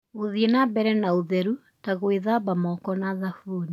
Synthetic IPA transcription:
oðienabɛɾɛnaoðɛɾu | taɣweðabamɔkɔnaðafuːni

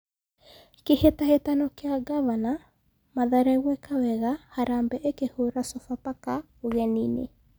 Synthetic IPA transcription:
kehetahetanɔkeaɡavana | maðaɾaɣwɛkawɛɣahaɾambɛʔekehoɾasɔfapaka | oɣɛninḛ

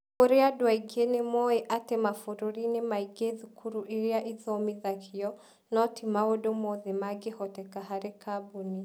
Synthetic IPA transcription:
kɔɾɛadwaiɡenɛmɔɛʔatɛmafuɾuɾinimaiɡeðukʰuɾuʔiɾiaʔiðɔmiðakiɔ | nɔtʰimaɔdɔmɔðɛmaɡihɔtɛkaɦaɾɛkʰabuni

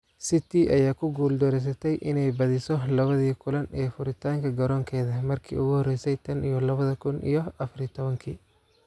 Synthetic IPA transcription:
sit̪ʰiʔɐjaːkʰʊɡuːld̪ɔɾɛs̬ɐt̪ʰɛjʔɪnɛjbɐðɪsɔlɐβɐðiːkʰʊlɐnʔɛːfʊɾɪt̪ʰaːŋkʰɐɡɐɾɔːŋkʰɛːðɐmɐrkʰḭːʊɣʊhɔrɛjsɛjt̪ʰɐnijɔlɐβɐðɐkʰʊnʔḭjɔʔɐfɐrjt̪ʰɔβɐŋkʰḭː

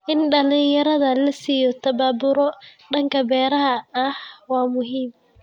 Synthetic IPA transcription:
ʔɪnɖɐlɪŋjɐɾɐðɐlɐsiːjɔt̪ʰɐβaːbʊɾɔɖɐŋkʰɐbɛːɾɐɦɐɐhwɑːmʊɦiːm

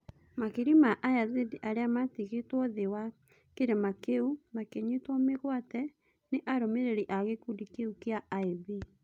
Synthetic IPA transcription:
makeɾimaʔajaðediʔaɾeamatiɣetwɔðewa | keɾemakeumakeɲetwɔmeɣwatɛ | neʔaɾomeɾeɾiʔaɣekudikeukeaaiði

